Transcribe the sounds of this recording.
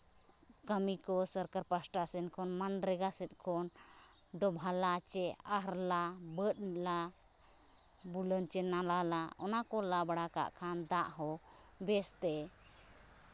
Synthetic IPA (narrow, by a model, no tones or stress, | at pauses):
kəmikɔsəɾkaɾpasʈasɛnkʰɔnmanɾɛɡasɛt̪̚ˀkʰɔn | d̪ɔbʱalat͡ʃɛ | aɦɾla | bət̪̚nila | bulənt͡ʃɛnalalaɔnakɔlabaɽaka̰ʔkʰand̪aʔɦɔ | bɛst̪ɛ